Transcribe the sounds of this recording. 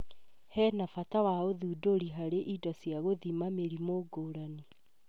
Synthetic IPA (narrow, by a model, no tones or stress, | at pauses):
hɛːnafatawaoðuːdoɾiɦaɾeʔidɔsjaɣoðimameɾimoɡoːɾani